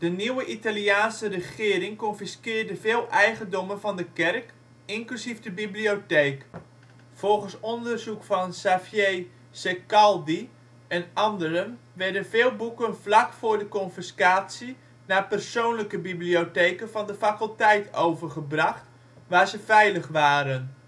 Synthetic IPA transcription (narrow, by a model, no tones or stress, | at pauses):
d̥əniwəʔitaliaːnsərəχɪːɾɪŋkɔnfiskɪːrdəvɪːlˠʔɛjχəndɔmənvɑndəkɛrk | ɪŋklyzivdəbiblioteːk | fɔlˠχənsɔndərzukfɑnsafjej | sekɑlˠdi | ɛnɑndəɾən | ʋɛɹdənvɪːlˠbukənvlɑkfʊːɹdəkɔnfiskaːtsi | naːpərsownləkəbibliotejkənvɑndəfakəlˠtɛjtʰowvərχəbrɑχt | ʋaːɹzəvɛjləχʋaːɾən